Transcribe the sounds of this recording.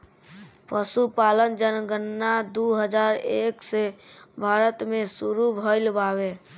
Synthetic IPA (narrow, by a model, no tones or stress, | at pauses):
pəsupalənd͡ʒənɡənːad̪uɦəd͡ʒaɾeksebʱaɾət̪mesuɾubʱəɪlbaβe